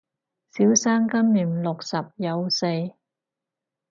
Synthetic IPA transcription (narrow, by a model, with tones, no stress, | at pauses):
siː˨˥wsaː˥ŋkɐ˥mːyː˨˩mlʊ˨k̚sɐ˨p̚jɐ˨˧wse˧j